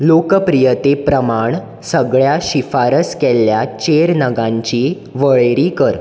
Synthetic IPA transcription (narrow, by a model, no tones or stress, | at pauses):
lokəpɾijət̪epɾəmaɳ | səɡɭjaɕifaɾəskɛlːjat͡ɕeɾnəɡãɲt͡ɕiː | ʋəɭeɾiːkəɾ